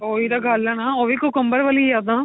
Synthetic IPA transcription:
oːid̪aːɡɐlːanaːoːʋikokʊmbəɾʋəliad̪ãː

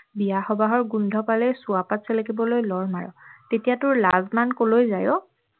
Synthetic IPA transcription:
bijaxɔbaɦɔɹɡundʱɔpalɛsuapatsɛlakibɔlojlɔɹmaɹɔ̰tetijatʊɹlazmankolojzajɔ

